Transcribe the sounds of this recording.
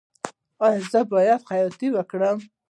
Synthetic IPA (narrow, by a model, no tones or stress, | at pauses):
ɑjɔzəbɑjad̪xajɔt̪iwəkɽəm